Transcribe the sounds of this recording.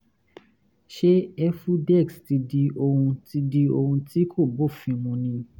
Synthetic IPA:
ʃe˦ɛ˦fu˦dɛ˦˨ksti˧di˧o˧hũ˧ti˧di˧o˧ɾũ˧ti˦kʰo˦˨bo˦˨fĩ˧mũ˧nĩ˧

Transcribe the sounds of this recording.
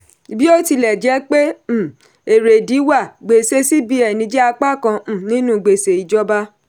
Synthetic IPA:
bi˦o˦ti˧lɛ˨d͡ʒɛ˨˦k͡pe˦˨ | e˨ɾe˨di˨˦wa˦˨ɡ͡be˨se˧˦si˦bi˧ɛ˨nĩ˧d͡ʒɛ˦a˧k͡pa˦kã˧˦˨nĩ˦nũ˦˨ɡ͡be˨se˨i˨d͡ʒɔ˦ba˦

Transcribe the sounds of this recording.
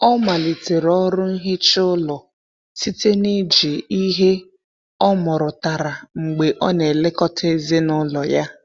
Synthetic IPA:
ɔ˦ma˨li˨te˨ɾɔ˦ɾʊ˦n̩˦ɦɪ˦t͡ʃʊ˦lɔ˨ | si˦te˦ni˦d͡ʒi˨i˦ɦe˦ | ɔ˦mɔ˨ɾʊ˨ta˨ɾa˨ŋ͡m̩˨ɡ͡be˨ʔɔ˦ne˨le˦kɔ˦tʰe˦ze˦nʊ˦lɔ˨ja˦

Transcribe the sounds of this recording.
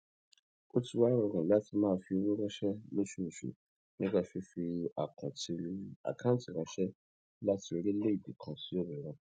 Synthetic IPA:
o˦tʰu˦wa˦ɾɔ˨ɡɔ̃˨la˦tʰi˧mãː˦˨fi˨˧˦wũ˦ɾɔ˦ʃɛ˦le˦ʃu˦˨ʃṵ˨ | nĩ˦ɡa˧fi˦fi˧a˨kʰɔ̃˨tʰi˨˦a̰˨kʰã˦ti˨kɔ˦ʃɛ˦ | la˦tʰi˨o˨ɾi˦le˦i˨di˨kʰɔ̃˨si˨˦jo˦bɛ˨ɾɔ̃˦

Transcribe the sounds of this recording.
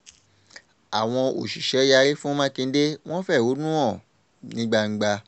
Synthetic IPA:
a˨w̃ɔ̃˧o˨ʃi˨ʃɛ˨˦ja˧ɾe˦fũ˦o˦mã˦kĩ˧n̩˦de˦w̃ɔ̃˦fɛ˦˨wo˨˦nũ˦ɔ̃˦˨ | nĩ˦ɡ͡ba˧ŋ̩˦ɡ͡ba˧

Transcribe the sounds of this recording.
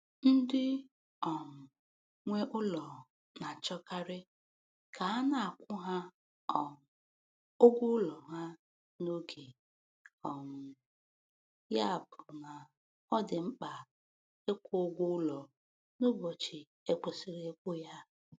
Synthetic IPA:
n̩˦dɪ˦ | ɔ˨m̩˨ | ŋʷe˦ʔʊ˦lɔ˨ | na˨t͡ʃɔ˦ka˦ɾɪ˦ | kʰa˨a˦na˨a˨kʷʊ˦ɦa˦ | ɔ˨m̩˨ | o˦ɡʷʊ˦ʊ˦lɔ˨ɦa˦ | no˦ɡe˨ | ɔ˨mʊ˨ | ja˦a˨bʊ˨na˨ | ɔ˦dɪ˨ŋ͡m̩˦k͡pa˨ | e˦kʷʊ˦o˦ɡʷʊ˦ʊ˦lɔ˨ | no˦bo˨t͡ʃi˨ | e˦k͡po˨si˨ɾe˦kʷʊ˦ja˦

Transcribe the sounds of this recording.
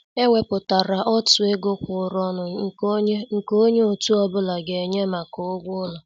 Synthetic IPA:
e˦ŋʷe˨pʊ˨ta˨ɾa˨ʔɔ˦tʊ˨e˦ɡʊ˦kʷʊ˨ɾɔ˦nʊ˨ŋ̩˨˦ŋ̩˨ko˦ɲe˦o˨tu˦ɔ˦bʊ˦la˨ɡe˨ɲe˦ma˨kʊ˦ɡʷʊ˦la˨

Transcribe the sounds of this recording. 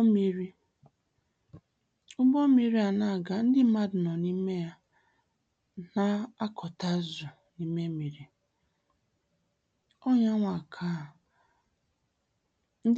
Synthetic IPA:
mi˦ɾi˦ | ʊ˦bo˦mi˨ɾi˦a˨na˨ɡa˦n̩˦dɪ˦m̩˦ma˦dnɔ˨ni˦me˦ja˦ | na˦a˦kʰɔ˨ta˦zʊ˨ | ni˦me˦mi˨ɾi˨ | ɔ˦ɲa˦ŋʷa˨kʰa˦˨ | n̩˦

